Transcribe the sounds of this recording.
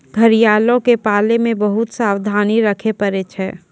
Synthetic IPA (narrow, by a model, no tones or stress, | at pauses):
ɡʱɐɾijaːlõkepaːlemẽbɐɦʊt̪saːwd̪ʱaːniɾɐkʰepɐɾet͡ʃʰɛː